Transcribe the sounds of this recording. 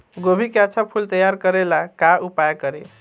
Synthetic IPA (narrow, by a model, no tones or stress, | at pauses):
ɡobʱikjat͡ʃʰapʰult̪əjaɾkəɾelakaupajkəɾe